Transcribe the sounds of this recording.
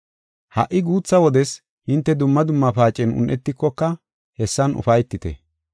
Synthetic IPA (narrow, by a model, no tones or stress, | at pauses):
hɐ̰ʔːɪɡuːt͡sːɐwɔd̪ɛs | hɪnt̪ːɛd̪ʊmːɐd̪ʊmːɐpaːt͡ʃʼːɛnʊ̰nʔɛt̪ːɪkːɔkːɐ | hɛsːɐnʊ̰fɐjt̪ːɪt̪ɛ̰